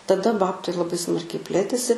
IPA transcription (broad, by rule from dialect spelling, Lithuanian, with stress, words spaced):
tɐˈdɐ ˈbɑːptɐɪ lˠɐˈbɐɪ ˈsmɐrʲkʲɛɪ ˈpʲlʲeːtʲeːsʲɪ